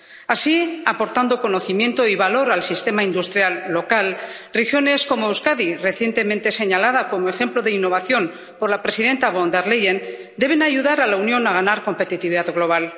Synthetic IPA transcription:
asiapo̞ɾt̪and̪o̞ko̞no̞θimje̞nt̪o̞iβalo̞ɾalsist̪emaind̪ust̪ɾjalːo̞kalrexjo̞ne̞sko̞moewskaðire̞θje̞nt̪e̞mẽnt̪e̞se̞ɲalað̞ako̞moe̞xe̞mplo̞ðe̞inːo̞β̞aθjo̞n | po̞ɾlapɾe̞siðe̞nt̪aβond̪aɾlejen | d̪e̞β̞e̞naʝuðaɾalaunjo̞naɣ̞anaɾko̞mpe̞t̪it̪iβiðaðɣlo̞β̞al

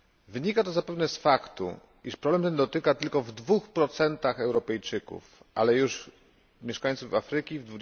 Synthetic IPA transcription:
vɘɲikat̪ɔzapɛvnɛsfakt̪ṵ | ḭʂpɾɔblɛmt̪ɛnd̪ɔt̪ɘkat̪ɘlkɔvd̪vuxpɾɔt̪sɛnt̪axɛwɾɔpɛjt͡ʂɘkṵfʔa̰lɛjuʂ | mʲjɛʂkaɲ̃ʲt̪suvafɾɘkʲivd̪vu

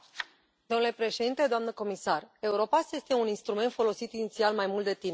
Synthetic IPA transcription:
d̪omnule̞pɾeʃe̞d̪int̪e̞d̪oamnəko̞misare̞uɾo̞pasje̞st̪e̞uninst̪ɾume̞nt̪fo̞lo̞sit̪init̪sialmajmult̪d̪e̞t̪ine

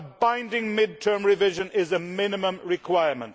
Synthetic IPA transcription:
bãɪ̃ndɪ̃ŋmɪd̚tʰɜ̃˞mɹɪvɪʒə̃nɪzəmɪ̃nɪmə̃mɹɪkʰw̥aɪəmə̰̃nt

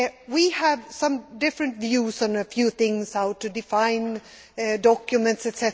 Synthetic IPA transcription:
wiəvsʌ̃mdɪfɹɨ̃ntvjʉsn̩əfjʉθɪ̃ŋsaʊtʰːɨdɪfãɪ̃n | dɔkjɨmɨ̃ntsɨtsɛ

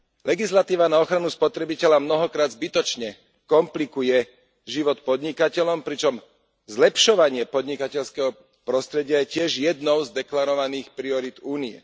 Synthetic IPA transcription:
lʔɛɡislat̪iːʋanaɔxɾanuspɔt̪ɾɛbicɛʎamnɔɦɔkɾaːd̪zbit̪ɔt͡ʃɲɛ | kɔmplikujɛ | ʒiʋɔt̪pɔd̪ɲikacɛʎɔmpɾit͡ʃɔm | zlɛpʃɔʋaɲɪɛpɔd̪ɲikacɛʎskɛɦɔ | pɾɔst̪ɾɛɟɪajɛcɪɛʒjɛd̪nɔʊzd̪ɛklaɾɔʋaniːxpɾiɔɾid̪uːniɛ̰

